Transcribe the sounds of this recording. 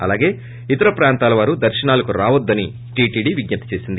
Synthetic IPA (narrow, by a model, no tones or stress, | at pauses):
ɐ̰laːɡe̞ː | it̪ɐɾɐpɾaːnt̪aːlɐʋaːɾud̪ɐɾʃɐnaːlɐkuɾaːʋɐd̪ːɐni | ʈiːʈiːɖiʋiɡɲɐt̪ɐ̥t͡ʃe̞ːsind̪i